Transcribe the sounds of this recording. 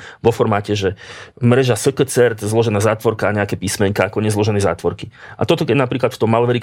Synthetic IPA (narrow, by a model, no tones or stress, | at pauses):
ʋɔfɔɾmaːcɛʒɛmɾɛʒasəkət͡sɛɾt̪zlɔʒɛnaːzaːt̪ʋɔɾkaːɲɛakɛːpiːsmɛɲkaakɔɲɛzlɔʒɛnɛza̰ːt̪ʋɔɾkiʔa̰t̪ɔt̪ɔkɛnapɾiːklat̪ft̪ɔmːalʋɛɾi